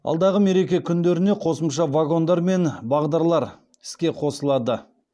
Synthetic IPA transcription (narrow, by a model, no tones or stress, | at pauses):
ɑ̰lˠd̪ɑʁəme̞ɾe̞kʲe̞kʲʰʏnd̪e̞ɾɪne̞qʰo̞səmʃɑvaɡo̞nd̪ɑɾme̞nbɑʁd̪ɑɾlˠɑɾ | ɪ̥skʲe̞qʰo̞səlˠɑd̪ə